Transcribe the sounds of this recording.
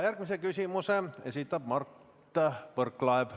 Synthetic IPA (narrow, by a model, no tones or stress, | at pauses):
jærkmisekysimuseḛsit̪ːæpmɑr | t̪ːɑʋərklɑep